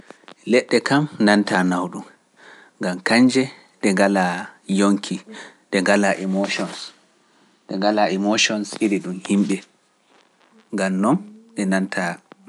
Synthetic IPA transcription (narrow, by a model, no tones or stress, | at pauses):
lɛɗːɛkamnantanawɗum | ŋɡamkaɲd͡ʒɛ | ɗɛŋɡalajoŋkʰi | ɗɛŋɡalaʔɛmoʃɔns | ɗɛŋɡalaɛmoʃɔnsiɾiɗumhimɓɛ | ŋɡamnɔnɗɛnantʰa